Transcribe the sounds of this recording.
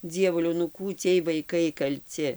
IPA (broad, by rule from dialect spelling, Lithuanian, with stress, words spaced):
ˈd͡zʲiɛʋʊlʲɛʊ nʊ ˈkuː ˈt͡sʲiɛj ʋɐɪˈkɐɪ kɐlʲˈt͡sʲɪ